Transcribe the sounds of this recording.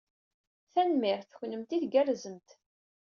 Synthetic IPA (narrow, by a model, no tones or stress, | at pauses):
θænmɪɾθçnəmt̪iθɡærzəmt̪